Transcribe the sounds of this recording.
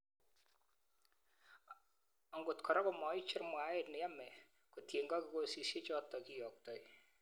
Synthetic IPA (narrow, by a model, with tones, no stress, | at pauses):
ɔ˨ŋɡʊ˨tkʰɔ˨ɾɔ˦ko˦˨mɔ˨i˦t͡ʃɪ˦rmwa˨˦e˨tnɛ˨ja˦mɛ˨ | ko˨tje˨ŋɡɔ˦kɪ˨ko˦si˨sje˦t͡ʃɔ˦tɔ˨ki˦jɔ˨k̚tɔ˨j